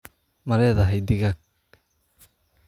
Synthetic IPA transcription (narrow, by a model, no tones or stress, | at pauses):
mɐɾɛːðɐɦɛjd̪ɪɣak̚